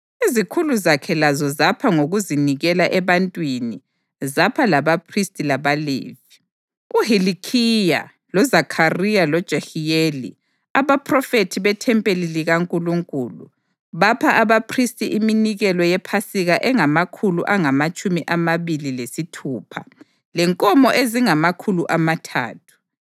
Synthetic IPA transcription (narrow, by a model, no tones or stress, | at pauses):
izikʰuluzakʰɛlazɔzapʰaŋoɣuziniɣɛlaʔɛβantʼwini | zapʰalaβapʰristʼilaβalḛːvi | uhilikʰija̰ | lɔzakʰarijalɔd̥ʒ̥ʱahijelḭ | aβapʰʼrɔfetʰiβɛtʰɛmpʼeliliɣaŋkʼuluŋkʼuːlṵ | βapʰaʔaβapʰristʼiʔiminiɣɛlɔjɛpʰasiɣaʔɛŋamakʰulṵʔaŋamat͡ʃʼumiʔamaβililesitʰuːpʰa̰ | lɛŋkʼɔmɔʔeziŋamakʰuluʔamatʰa̰ːtʰu̥